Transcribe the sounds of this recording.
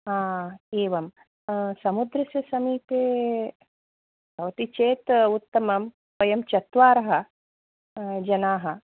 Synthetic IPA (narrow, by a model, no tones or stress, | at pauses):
aːeːʋɐm | sɐmud̪ɾɐsjɐsɐmiːt̪eː | ɐʋɐt̪it͡ʃeːt̪ut̪ːɐmɐm | pɐjɐmt͡ʃɐt̪ʋaːɾɐɦɐ̆ | d͡ʒɐnaːɦɐ